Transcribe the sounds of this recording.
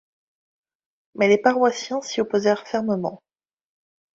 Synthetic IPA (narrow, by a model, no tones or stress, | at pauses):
mɛlepaʁwasjɛ̃siɔpozɛʁfɛʁməmɑ̰̃